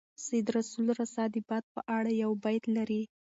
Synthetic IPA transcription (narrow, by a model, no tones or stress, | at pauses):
sjd̪ɾasulɾasɑd̪ɪbɑt̪̚pəʔaɽajawbajt̪laɾi